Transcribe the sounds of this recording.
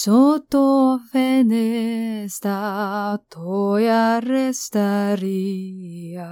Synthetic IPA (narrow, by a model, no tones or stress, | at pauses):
sot̪ofenest̪at̪ʰojarest̪aɾi | a